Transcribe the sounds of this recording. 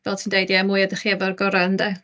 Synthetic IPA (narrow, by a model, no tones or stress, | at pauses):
vɛlˠtʰiːndejdiamuːjadəχiɛvɔrɡɔɾandɛ